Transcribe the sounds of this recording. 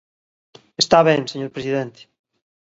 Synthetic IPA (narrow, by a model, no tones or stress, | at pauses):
est̪aβeŋseɲoɾpɾesiðent̪e̥